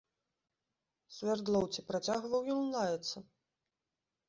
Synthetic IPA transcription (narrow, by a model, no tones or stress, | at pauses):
sʲvʲɛrd̪lˠɔwt͡sʲipɾat͡sʲaɣvɐwjillˠajɛt̪sːɐ